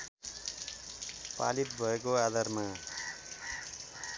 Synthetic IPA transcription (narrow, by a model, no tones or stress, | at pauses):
pa̰lit̪̚bʱʌekoad̪arma